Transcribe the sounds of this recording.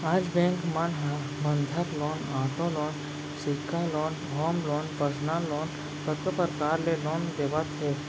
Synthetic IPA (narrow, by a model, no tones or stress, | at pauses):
aːd͡ʒbẽːŋkmanɦã | bə̃nd̪ʱəkloːnaːʈõlɔːn | sɪkʰːaloːn | ɦoːmlɔːnpəsnalɔːn | kət̪əpəɾkaːɾleloːnd̪eːʋət̪ɦeː